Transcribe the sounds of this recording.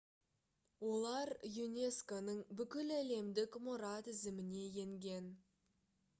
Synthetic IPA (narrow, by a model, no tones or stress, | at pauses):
wo̞lˠɑɾjunʲe̞skonəɴbʏkʲɪlæle̞md̪ɪkmoɾɑt̪ɪzɪmɪne̞je̞ŋɡʲe̞n